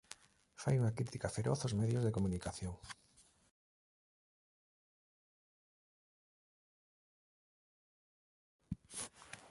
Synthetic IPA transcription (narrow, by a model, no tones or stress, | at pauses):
fa̰juŋakɾit̪ikafeɾoθozmeðjozðekomunikaθjoŋ